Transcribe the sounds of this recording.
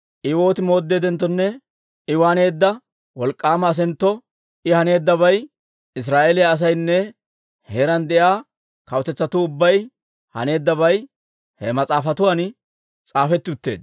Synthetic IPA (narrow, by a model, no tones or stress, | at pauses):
ʔɪwo̞ːt̪ɪmo̞ːd̪ːe̞ːd̪ɛnt̪ːɔnːɛ | ɪwaːne̞ːd̪ːɐ | wɔlkʼːaːmɐːs̬ɛnt̪ːɔ | ʔɪhɐne̞ːd̪ːɐβɐj | ɪs̬ɾaːʔelɪjaːs̬ɐjnːɛ | heɾɐnd̪ɛʔjaː | kɐwt̪ɛt͡sːɐt̪ʊʊbːɐj | hɐ̰ne̞ːd̪ːɐβɐj | hɛmɐt͡sʼaːfɐt̪ʊwaːn | t͡sʼaːfɛt̪ːɪʊt̪ːe̞̰ːd̪